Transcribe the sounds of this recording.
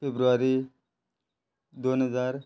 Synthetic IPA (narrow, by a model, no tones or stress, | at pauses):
pʰebɾuaɾi | d̪onɦəd͡zaːɾ